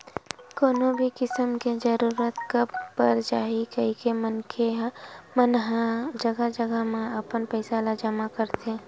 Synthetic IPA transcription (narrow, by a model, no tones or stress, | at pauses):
koːnobʱikɪsəmked͡ʒəɾuːɾət̪kəbpəɾd͡ʒaːɦikəɦikemənkʰemənd͡ʒəɡəd͡ʒəɡəɦmẽəpənpəɪsalad͡ʒəmakəɾt̪e